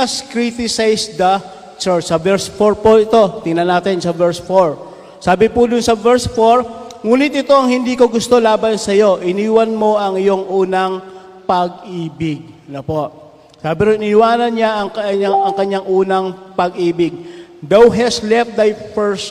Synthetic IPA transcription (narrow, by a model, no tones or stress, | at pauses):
ɐskɹit̪ɪsajsd̪ɐ | t͡ʃɛɹt͡ʃsɐvɛɹsfoɹpoɪt̪o̞t̪ɪŋnɐnaːt̪ɪnsɐvɛɹsfoɹ | saːbɪpʊd̪ʊnsɐvɛɹsfoɹŋuːnɪt̪̚ʔɪt̪o̞ʔɐŋhɪnd̪iːko̞ɡʊst̪o̞laːbɐnsɐjo̞ʔɪniːwɐnmo̞ʔɐŋɪjo̞ŋʔuːnɐŋ | pɐɡ̚ʔiːbɪɡ̚nɐpo̞ʔ | saːbɪɾoɪniwaːnɐnɲaʔɐŋkɐaɐŋkɐɲːaŋʔuːnɐŋpɐɡʔiːbɪɡ̚d̪awɦɛslɛft̪̚d̪ajpɛɹs